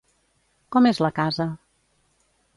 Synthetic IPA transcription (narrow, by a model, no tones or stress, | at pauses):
kɔmezləkazə